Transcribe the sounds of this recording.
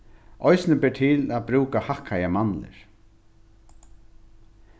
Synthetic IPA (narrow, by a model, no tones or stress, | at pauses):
ʔɔjsnəbɛːʈ̪ʰɪlaðbɾuːkahahkajamanːɪ̰ɹ̥